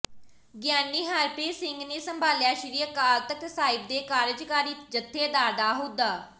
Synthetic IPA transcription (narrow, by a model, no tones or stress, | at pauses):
ɡjaːnːiːɦaːɾpeːsɪŋɡneːsəmbʱaːljaːʃɪɾiːəkaːɾt̪əksaːɪb̚d̪eːkaːɾɪd͡ʒkaːɾiːd͡ʒət̪ʰːeːd̪aːɾd̪aːɦoːd̪aː